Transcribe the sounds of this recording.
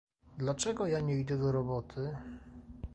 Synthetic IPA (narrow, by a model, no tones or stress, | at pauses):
d̪lat͡ʂɛɡɔjaɲɛid̪ɛd̪ɔɾɔbɔt̪ʰɘ